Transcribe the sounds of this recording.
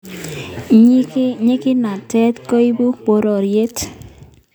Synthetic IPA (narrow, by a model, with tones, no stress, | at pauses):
ɲ˦kɲɪ˦kɪ˦na˨tɛ˦tko˦i˦bu˦bo˨˦ɾo˨ɾje˦t